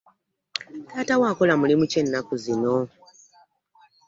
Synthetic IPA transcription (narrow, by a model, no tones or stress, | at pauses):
taːtawaːkolamulimuce̞nːakuzino̞